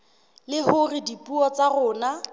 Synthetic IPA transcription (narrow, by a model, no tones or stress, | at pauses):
lɪhʊrɪdipʼuɔt͡sarʊːna